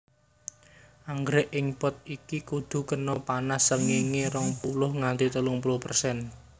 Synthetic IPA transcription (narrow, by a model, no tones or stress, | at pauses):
ʔaŋɡɾɛʔɪŋpɔt̪̚ikikud̪̥ṳkənɔpanasəŋeŋeɾɔŋpulʊhŋant̪it̪əlʊŋpulʊhpərsɛn